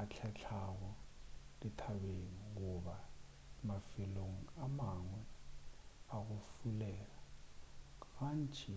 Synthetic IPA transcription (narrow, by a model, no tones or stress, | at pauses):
at͡ɬʰat͡ɬʰak̬ɔlitʰaɓeŋik̬uɓa | mafiloŋ̩amaŋwɛ | ak̬ufulɛːla | ɣant͡ʃʰʼi